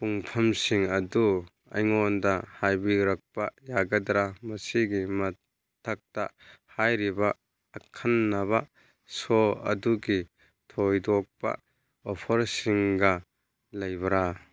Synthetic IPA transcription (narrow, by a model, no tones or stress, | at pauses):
puŋpʰɐmsiŋɐdu | ɐ̰jŋɔndahajbiɾɐk̚pajaɡɐdɾamɐsiɡimɐ | tʰɐk̚ta̰ | hajɾibaː | kʰɐnːaba | sɔɐ̰duɡi | tʰojdɔk̚pa̰ | ɔpʰɐɾsiŋɡa | lɐjbɐɾa